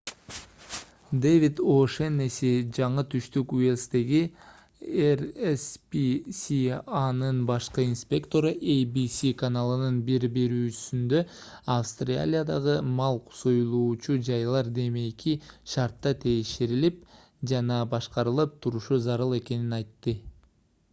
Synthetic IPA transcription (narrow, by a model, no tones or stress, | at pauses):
d̪evʲit̪oʃenesid͡ʒɑɴɯt̪ʰyʃt̪ykuelʲst̪e̞ɡi | erespisianɯnbɑʃqɯinspʲe̞kt̪o̞ɾʔejbisikanalˠɯnɯnbiɾbe̞ɾyːt͡ʃy̥synd̪ø̞ɑfst̪rʲa̰lʲijad̪ɑʁɯmɑlˠqʰu̥sojlˠuːt͡ʃud͡ʒɑjlˠɑɾd̪e̞me̞jkʰiʃɑɾt̪ːɑt̪ʰejʃeɾilip̚ | d͡ʒɑnɑbɑʃqɑɾɯlˠɯp̚t̪ʰuɾuʃuzɑɾɯlˠe̞ke̞ninɑjt̪ːɯ